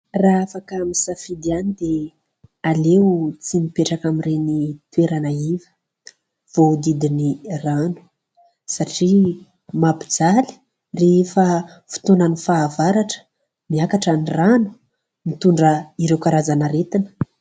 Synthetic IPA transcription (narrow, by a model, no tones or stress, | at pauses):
raafakamisafid̪ianid̪e | alewt͡simipeʈ͡ʂakamirenit̪ueɾanaivə̥ | v̥od̪id̪iniranu̥ | saʈ͡ʂi | mapi̥d͡zali̥ | refə | fu̥t̪onanifaːvaɾaʈ͡ʂə̥ | miakaʈ͡ʂaniranu̥ | mit̪uɳɖ͡ʐəiɾewkaɾazanaɾet̪inə̥